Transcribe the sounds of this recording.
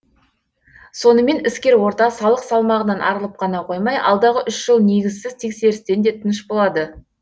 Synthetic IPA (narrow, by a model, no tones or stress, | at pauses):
so̞nəme̞nɪskʲe̞ɾwo̞ɾt̪ɑsɑlˠəqsɑlˠmɑʁənɑnʔɑ̰ɾəlˠəp̚qʰɑnɑqʰo̞jmɑjʔɑ̰lˠd̪ɑʁəʔʏʃʒ̥əlˠne̞ɡʲɪzsɪzt̪ʰe̞kse̞ɾɪst̪e̞nd̪e̞t̪ʰɪnɪʃbo̞lˠɑd̪ə